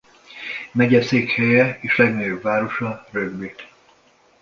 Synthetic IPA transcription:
mɛɟɛseːkhɛjɛeːʃlɛɡnɒjobvaːɾo̞ʃɒrøɡbeːt̪

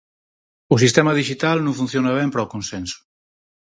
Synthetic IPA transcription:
ʊsist̪ɛmɐðiʒit̪alnõɱfun̟θjonaβ̞ɛmpɾɔkonsɛnsʊ̥

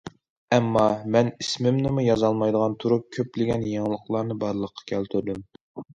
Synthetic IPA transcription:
ɛmːɑmɛnismɪmnɪmujɑzɑlˠmɑjd̪əʁɑnt̪ʰuɾup̚kʲʰøplɪɡʲɛnjeŋlˠəqlˠɑɾnɨbɑɾlˠəqʰːɑ̥kʲʰɛlt̪ʰyɾd̪ym

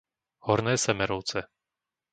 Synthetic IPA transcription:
hɔɾnɛːsɛmɛɾɔʊt͡sɛ

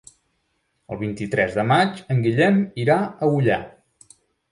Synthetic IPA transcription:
əlˠβint̪it̪ɾɛzðəmat͡ʃəŋɡiʎɛmiɾaəuʎa

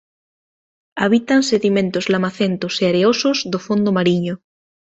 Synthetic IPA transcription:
aβ̞it̪anseðimẽnt̪ozlamaθent̪oseaɾeosozðofond̪omaɾiɲo

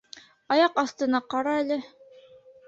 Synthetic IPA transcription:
ɑjɑqɑst̪ɤ̆nɑqɑɾɑælɘ

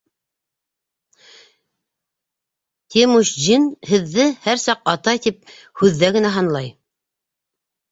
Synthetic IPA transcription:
t̪ʲemuʃʑinhɘ̆ðːɘhæɾsɑqɑt̪ɑjt̪ip̚ | hʉðːæɡɘ̆næɦɑnlˠɑj

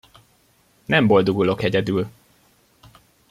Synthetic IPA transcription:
nɛmbo̞ld̪oɡulo̞kɛɟɛd̪yːl

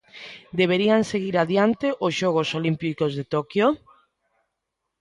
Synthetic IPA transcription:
d̪eβ̞eɾianseɣiɾaðjant̪eʔosʃoɣ̞osolimpikozðet̪okjo

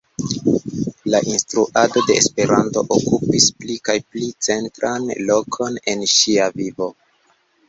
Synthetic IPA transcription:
laʔinstɾuʔado̞de̞ːspe̞ɾanto̞̰ʔokupisplikajplit͡se̞ntɾanlo̞kʰo̞ne̞nʃiavivo̞

